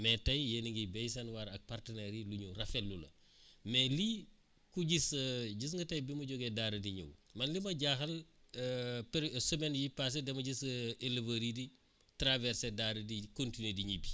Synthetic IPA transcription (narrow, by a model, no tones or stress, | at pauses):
mɛːtɐjjeniŋɡibɛjs̬ɐnwaɾɐk̚partənɛɾiluɲurɐfɛlːulɐ̰ | mɛːli | kuɟisəɟis̬ŋɡɐtɐjbimuɟɔɡɛdaɾɐdiɲṵwmɐnlimɐɟaxɐl | pɛɾsəmɛnjipas̬edɛmɐɟiselɐvɐɾidi | tɾavɛɾsɛdadɐdikontinediɲibi